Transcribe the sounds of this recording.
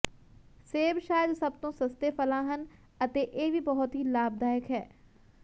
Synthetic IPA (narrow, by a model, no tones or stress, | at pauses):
seːbʃaːjɪəd̪sɐb̚t̪õsɐst̪efɐlaːɦən | ɐt̪eʔeːbibɔɦʊt̪ɦilaːb̚d̪aːjəkɦɛː